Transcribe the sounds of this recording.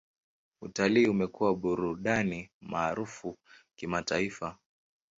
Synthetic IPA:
utaliːumɛkuwaɓuɾuɗanimaːɾufukimataifa

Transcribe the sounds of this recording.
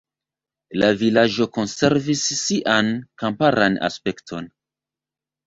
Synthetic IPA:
lavilad͡ʒo̞ko̞nse̞ɾvisːiʔankampaɾana̰spe̞ktʰo̞̰n

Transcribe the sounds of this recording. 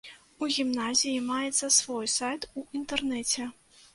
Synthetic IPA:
uɣʲimnazʲijimajɛt̪sːɐsvɔjsajt̪uint̪ɛrnɛt͡sʲɛ

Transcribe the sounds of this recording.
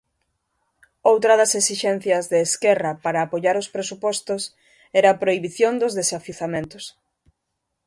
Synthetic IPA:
owt̪ɾɐðɐsesiʃɛn̟θjɐzðeːskɛrɐpaɾaːpoʎaɾʊspɾesupɔst̪ʊs | ɛɾɐːpɾoiβiθjond̪ʊzðesafiθamẽnt̪ʊs

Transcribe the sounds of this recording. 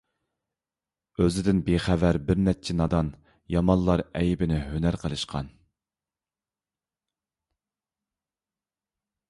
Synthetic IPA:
øzɪd̪ɪnbeχævæɾbɪɾnɛt͡ʃʰɪnɑd̪ɑn | jɑmɑnlˠɑɾɛjbɪnɪɦønæɾqʰəlˠɨʃqɑ̰n

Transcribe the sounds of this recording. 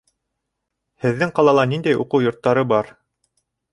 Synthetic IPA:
hɘ̆ðːɘŋqɑlˠɑlˠɑnind̪æjuqɤwjŏɾt̪ːɑɾɤbɑɾ

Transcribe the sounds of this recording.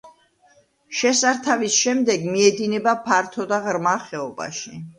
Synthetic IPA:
ʃɛsaɾt̪ʰavisʃɛmd̪ɛɡmiɛd̪inɛbapʰaɾt̪ʰɔd̪aʁɾmaχɛɔba̰ʃi

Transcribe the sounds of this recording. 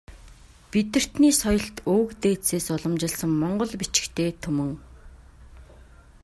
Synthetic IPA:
pit̪ɘ̆r̥t̪niːsɔjɞ̆ɬt̪oːkt̪eːseːsʊɮɞ̆mt͡ɕɪ̆ɮsə̆ŋmɔɴɢɞ̆ɮpit͡ɕɪ̥̆kt̪ʰeːt̪ʰɵmɵ̆ŋ

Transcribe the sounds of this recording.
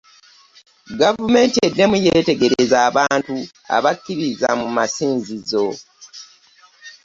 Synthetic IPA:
ɡavume̞ːntie̞dːe̞mujete̞ɡe̞ɾe̞zaːβaːntu | a̰βakːiɾiza̰mumasiːnzizo̞

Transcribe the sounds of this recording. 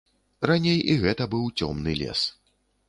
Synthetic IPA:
ranʲejiɣɛt̪ɐbɨwt͡sʲɔmnɨlʲɛ̰s

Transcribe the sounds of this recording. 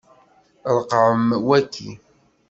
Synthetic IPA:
ɾˤqʕəmwækʰːḭ

